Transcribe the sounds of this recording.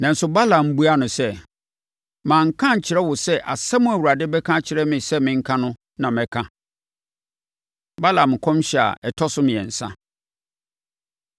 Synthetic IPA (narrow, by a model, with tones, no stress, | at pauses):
nã˨n̩˦sʊ˦ba˦la˨m̩˦bu˦a˦nʊ̃˨sɛ˦ | mãː˨ŋ̩˨kʰã˦ɲ̩˨t͡ɕʰɪ˨ɾɛ˦wʊ˨sɛ˦ʔa˨sa˦mʊ̃˦æ˨wu˨ɾa˨dɪ˦bɛ˦kʰã˦t͡ɕʰɪ˨ɾɛ˦mɪ̃˨sɛ˦mɪ̃˨ŋ̩˦kʰã˦nʊ̃˦ | nã˨mɛ̃˨kʰã˦ | ba˦la˨mɪ̃˨kʰɔ̃˦mɕɛ˨a̰˨ɛ˨tʰɔ˦sʊ˦mɪ̃˨ɛ̰˨n̩˨sã̰˦